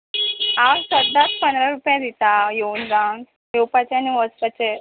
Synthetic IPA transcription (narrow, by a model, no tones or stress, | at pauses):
aɾsəd̪ːat̪pənd̪ɾaɾupjad̪it̪ajeund͡zan | jewpat͡ɕeaniʋəspat͡ɕe